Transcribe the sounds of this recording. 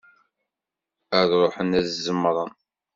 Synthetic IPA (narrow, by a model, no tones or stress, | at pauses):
əðɾˤoħənæðzəmːɾˤən